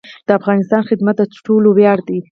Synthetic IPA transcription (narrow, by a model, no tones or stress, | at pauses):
d̪̥əafɣɑnɪst̪ɑnxɪd̪mat̪̚d̪ət̪ʈolowjɑɾd̪i